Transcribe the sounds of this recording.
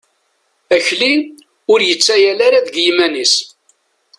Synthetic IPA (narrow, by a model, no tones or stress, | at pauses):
æçli | ʊɾjət͡sːæjælaɾaðɡjimænis